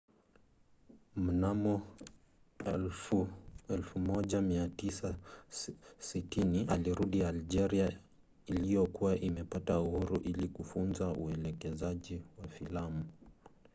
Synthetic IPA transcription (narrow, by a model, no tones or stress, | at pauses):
m̩namɔ | ɛl | ɛlfumɔʄamiatisa | sitiniʔaliɾuɗiald͡ʒɛɾia | ilijɔkuwaʔimɛpatauhuɾuʔilikufunzauɛlɛkɛzaʄiwafilamu